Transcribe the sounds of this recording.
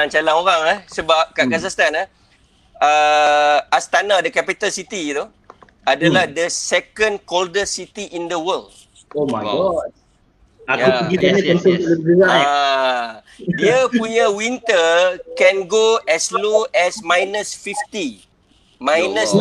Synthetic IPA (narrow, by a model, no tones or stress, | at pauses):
aŋt͡ʃalaŋoɾaŋahsəbap̚kaʔkas̬ast̪anə | ə | ast̪anadəkɛpit̪alsit̪it̪u | adalahdəsɛkə̃nkoldəsit̪iʔindəwəl | omajɡɔt̚ | ajaupəɡianaant̪ot̪ələɡuwaa | diapuɲãwint̪əkɛ̃nɡoɛsloɛsmãjnəsfift̪i | mãjnəs